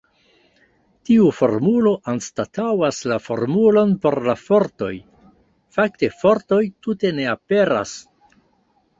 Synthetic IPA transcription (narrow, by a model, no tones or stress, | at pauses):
tiufo̞̰ɾmulo̞ʔanstatawaslafo̞̰ɾmulo̞npo̞ɾlafo̞ɾto̞j | fak̚te̞fo̞ɾto̞jtute̞ne̞ape̞ɾa̰s